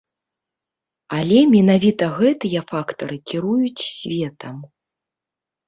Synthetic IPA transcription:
alʲɛmʲɛnavʲit̪ɐɣɛt̪ɨjɐfakt̪ɐɾɨkʲiɾujut͡sʲsʲvʲɛt̪ʰɐm

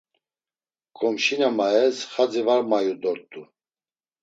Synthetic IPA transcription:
kʼɔmʃinamaɛsχad͡zivaɾmajud̪ɔɾt̪ʼu

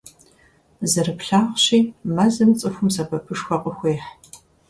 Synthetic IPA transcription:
zɨɾɨpɬaːʁɕiːmɐzɨmt͡sʼɨxʷʊmsɐbʰɐpʰɨʂxʷɔqʼəxʷeːħ

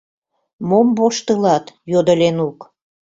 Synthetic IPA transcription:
momboʃt̪əlɑt̪jod̪əlʲenuk

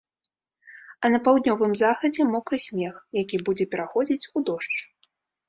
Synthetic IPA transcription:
ɐnɐpawd̪ʲnʲɔvɨmzaxɐd͡zʲɛmɔkɾɨsʲnʲɛxjakʲibud͡zʲɛpʲɛɾaxɔd͡zʲit͡sʲud̪ɔʂt͡ʂ

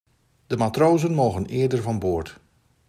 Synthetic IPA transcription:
d̥əmatrowzənmowɣənɪːəɹdəɹvɑnboːɹt

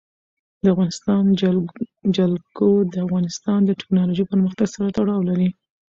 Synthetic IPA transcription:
d̪əafɣɑnɪst̪ɑn | d͡ʒalɡod̪əafɣɑnɪst̪ɑnd̪əʈɪ̥knɑloʒipəɾməxt̪aɡsaɾat̪aɽɑwlaɾi

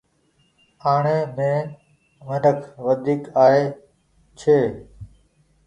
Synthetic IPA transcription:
aːɳeːmẽː | mənəkʰʋəd̪ʱiːkaːɦeː | t͡ʃʰeː

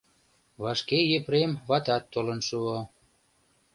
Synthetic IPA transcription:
βɑʃkejepɾemβɑt̪ɑt̪ːolənʃuo

